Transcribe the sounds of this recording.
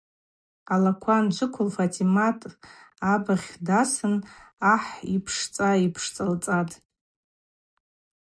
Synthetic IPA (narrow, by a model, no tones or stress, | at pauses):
alakʷʰand͡ʒʷʊkʷʰʊlfatʰimatʼ | abaʁʲdasɨnaħipʰʂt͡sʼaipʰʂt͡sʼalt͡sʼatʼ